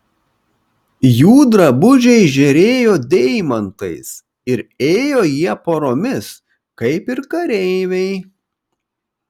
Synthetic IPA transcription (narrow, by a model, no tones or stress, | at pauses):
juːd̪ɾɐbʊʒʲɛɪʒʲɛɾʲeːjoːd̪ʲɛɪmɐnt̪ɐɪs | ɪɾeːjoːjiɛpoːɾoːmʲɪs | kɐɪpɪɾkɐɾʲɛɪʋʲɛɪ